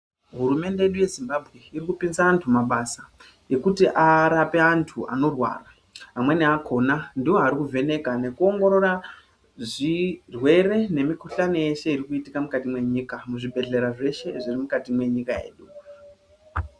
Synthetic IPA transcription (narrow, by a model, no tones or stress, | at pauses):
ɦuɾume̞ndeje̞ɗuje̞zimbabʱɣe̞irikupinsaːntʰumaɓasa | je̞kutiʔaɾape̞antʰua̰no̞rwa̰ːraː | mwe̞niakʰo̞nandiwoɦaɾikuvʱe̞ne̞kane̞kuo̞ŋɡo̞ɾo̞ɾa | ʐirwe̞re̞ne̞mikuɬano̞je̞ʃe̞iɾikuitikamukatimwe̞ɲiːkamuʐibʱe̞ɮe̞ɾaʐe̞ʃe̞ʐirimukatimwe̞ɲikae̞̰ːɗu